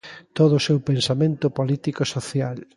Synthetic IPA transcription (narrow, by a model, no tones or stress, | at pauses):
t̪oð̞ʊsewpensamẽnt̪ʊpolit̪ikosoθjal